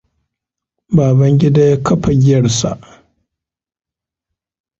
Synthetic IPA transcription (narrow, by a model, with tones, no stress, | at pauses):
baː˨bɐ˦ŋɡʲɪ˦da˦ja˦kʰɐ˦ɸɐ˨ɡʲɪ˦jɐ˨rsa̰˨ʔ